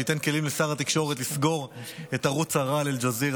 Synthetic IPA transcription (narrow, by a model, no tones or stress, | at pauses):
it̪e̞nke̞limlesaʁat̪ikʃo̞ʁet̪lisɡo̞ʁet̪aʁut͡saʁaleld͡ʒazi